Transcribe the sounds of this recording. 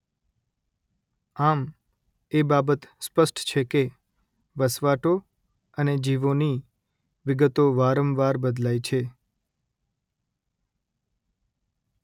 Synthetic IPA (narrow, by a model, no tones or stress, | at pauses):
am | ebabət̪spəsʈt͡ʃʰeke | ʋəsʋaʈo | əned͡ʒiʋoni | ʋɪɡət̪oʋaɾəmʋaɾbəd̪lajt͡ʃʰe